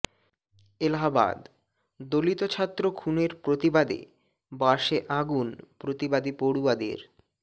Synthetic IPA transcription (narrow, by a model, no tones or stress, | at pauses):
elaɦaba̰d̪ | d̪olit̪ot͡ɕʰat̪ːɾokʰuneɾpɾot̪ibad̪ḛ | boaʃeʔaɡunpɾot̪ibad̪ipoɽuad̪ḛɾ